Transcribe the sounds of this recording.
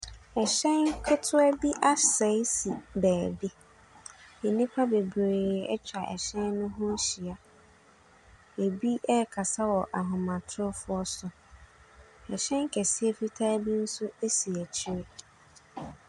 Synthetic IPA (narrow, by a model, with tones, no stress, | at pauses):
ɛ˨ɕɛ̃˦nkʰʊ˦tʰʊ˦ɛ˦bi˦ʔa˦sɛ˨˦jsi˨bæː˨bi˦ | e˨nĩ˦pʰa˦be˨bɾeː˨ɛ̰˦t͡ɕʰᶣa˨ʔɛ̰˨ɕɛ̃˦n˦nʊ̃˦ɦʊ̃˦ɕi˨a˨ | e˨bi˦ʔɛ˦˨kʰa˨sa˦wɔ˨ʔa˨ɦʊ̃˨mã˨tʰʊ˦ʊ˦fʊ˦ɔ˦sʊ˨ | ɛ˨ɕɛ̃˦ŋ˦kʰɛ˨si˦e˦fi˦tʰaː˦bi˦n̩˦sʊ˦e˦si˨æ˨t͡ɕʰi˦ɾe˦